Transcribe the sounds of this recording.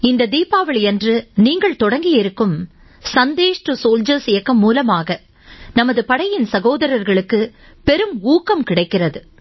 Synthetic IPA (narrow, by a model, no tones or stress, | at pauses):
ɪnd̪ɐd̪iːpaːʋɐɭɛndrɯniːŋɡɐɭt̪ɔɽɐŋɡɪjɪɾɯkːɯm | sɐnd̪eːʂʈɯsoːld͡ʒɐɾsɪjɐkːɐmːuːlɐmaːɣɐ | nɐmɐðɯpɐɽɐjɪnsɐɣoːðɐɾɐɾɣɐɭɯkːɯ | pɛɾɯmuːkːɐmkɪɽɐɪkːɪrɐðɯ